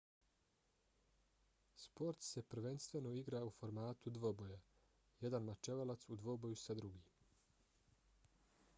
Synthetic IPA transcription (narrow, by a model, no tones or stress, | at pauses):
spo̞ɾt̪se̞pɾ̩ʋe̞nst̪ʋe̞noiɡɾaufo̞ɾmaːt̪ud̪ʋoboja | jed̪anmat͡ʃeʋalat̪sud̪ʋo̞bo̞jusad̪ɾuɡiː